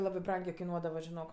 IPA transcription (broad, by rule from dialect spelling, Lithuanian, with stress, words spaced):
ˈlˠɑːbɜ ˈbrɐŋʲɡʲeː kɐɪˈnuɔdɐʋɐ ʒʲɪˈnoːk